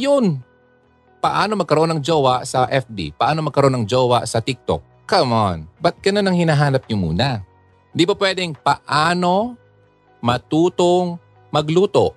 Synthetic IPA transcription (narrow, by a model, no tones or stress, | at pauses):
jon | pɐʔaːno̞mɐɡ̚kɐɾoʔonɐŋd͡ʒoːwɐʔsɐʔɛfbḭpɐʔaːnomɐɡ̚kɐɾoʔonɐŋd͡ʒoːwɐ̰sɐt̪ɪk̚t̪o̰k̚kɐmonbɐt̪̚ɡ̥ɐnonɐŋhɪnaɦaːnɐp̚ɲʊmṵːnɐ | nd̪ibɐpwɛd̪ɛŋpɐʔaːno̞ | mɐt̪uːt̪oŋ | mɐɡluːt̪o̞ʔ